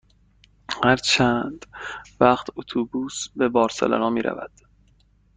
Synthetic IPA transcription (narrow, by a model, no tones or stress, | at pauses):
hæɾt͡ʃʰæːnd̪̥væχt̪ʰot̪ʰubuːsbebɒːɾsḛlæ̰nɒːmiːɾʔæ̰væ̰d̪̥